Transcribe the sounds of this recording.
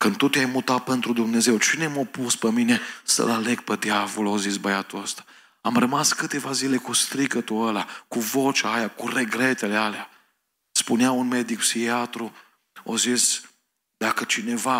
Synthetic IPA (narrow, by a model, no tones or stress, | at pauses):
kɨn̚t̪ut̪eajmut̪at̪̚pent̪ɾud̪umne̞ze̞wt͡ʃine̞mopuspeminesə̰laleɡ̚ped̪javolozisbəjat̪uəst̪ḁ | amrəmaskɨt̪e̞vazile̞kust̪ɾikət̪uəlakuvo̞t͡ʃaajakure̞ɡɾet̪elealea | spuneaunme̞d̪ikpsiat̪ɾu | ozis | d̪akət͡ʃine̞va